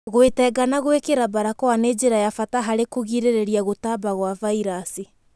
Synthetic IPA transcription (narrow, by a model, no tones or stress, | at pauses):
ɣwetɛɡanaɣwekeɾabaɾakɔaned͡ʒeɾajafataɦaɾekoɣiɾeɾeɾiaɣotabaɣwavaiɾasi